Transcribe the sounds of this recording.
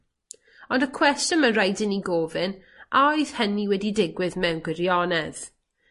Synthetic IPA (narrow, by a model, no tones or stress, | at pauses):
ɔndəkʰw̥ɛstjɔnməɾajdɪniɡoːvɨn | ʔajð̥həniwɛdidɪɡwɪðmɛwnɡwɪɾjɔnɛð̥